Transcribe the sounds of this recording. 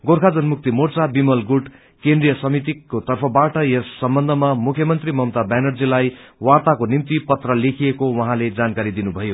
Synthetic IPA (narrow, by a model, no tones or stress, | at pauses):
ɡorkʰad͡zʌnmuk̚t̪imort͡sabimʌlɡuʈ | kend̪rijʌsʌmit̪ikot̪ʌrpʰʌbaʈʌjʌsʌmbʌnd̪ʱʌmamukʰjʌmʌnt̪rimʌmt̪abanʌrd͡zilaj | wart̪akonimt̪ipʌt̪rʌlekʰijekowʌɦãled͡zankaɾid̪inubʱʌjo